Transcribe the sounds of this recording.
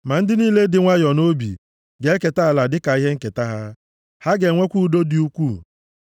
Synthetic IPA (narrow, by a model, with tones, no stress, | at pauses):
ma˨n̩˦dɪ˦niː˦le˦dɪ˨ŋʷa˦jɔ˨no˦bḭ˨ | ɡe˨˦ke˨ta˦a˨la˨dɪ˦ka˨i˦ɦe˦ŋ̩˦ke˨ta˦ɦa˦ | ha˦ɡe˨ŋʷe˦kʷu˦do˦dɪ˦u˦kʷu˦˨